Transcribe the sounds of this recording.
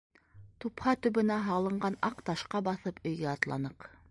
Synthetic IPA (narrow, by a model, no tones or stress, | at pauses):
t̪uphɑt̪ʉ̆βɘ̆næɦɑlˠɤ̆ɴɢɑnɑqt̪ɑʃqɑbɑθɤpɵ̆jɡæɑt̪lˠɑ̰nɤq